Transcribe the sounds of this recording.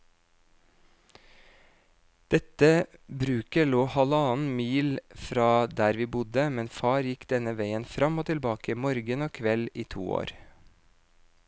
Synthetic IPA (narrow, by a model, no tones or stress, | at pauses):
d̪̥ɛt̪əbɾʉːkəloːhɑlɑːn̩miːlfɾɑːd̪æːɾʋiːbʊd̪əmɛnfɑːɾjɪkd̪ɛnəʋeɪənfɾɑmoːt̪ʰɪlbɑːkəmɔɾɡənoːkʰʋɛliːt̪ʰṵːo̰ːɾ